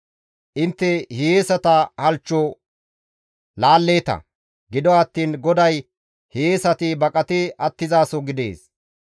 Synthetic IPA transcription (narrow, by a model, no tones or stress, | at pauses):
ʔɪnt̪ːɛhejeːsɐt̪ɐhɐlt͡ʃːɔ | laːlːe̞ːt̪ɐ̰ | ɡɪd̪ɔɐt̪ːiːnɡɔd̪ɐj | heːsɐt̪ɪbɐkʼɐt̪ɪɐt̪ːɪzaːsɔɡɪd̪ḛːs